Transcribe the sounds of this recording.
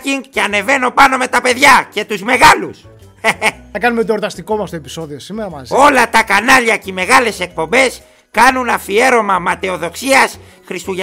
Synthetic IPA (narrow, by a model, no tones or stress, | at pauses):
ciŋɡceɐne̞ve̞no̞pɐno̞me̞t̪ɐpe̞ðʝɐce̞t̪uzme̞ɣɐlus | ɐkɐnumet̪̬oːɾt̪ɐst̪iko̞mɐst̪oe̞pi̥so̞ðio̞simeɾɐo̞lɐt̪ɐkɐnɐʎɐcime̞ɣɐle̞se̞k̚po̞mbe̞s | kɐnunɐfie̞ɾo̞mɐmɐt̪e̞o̞ðo̞ksiɐs | xɾist̪uʝ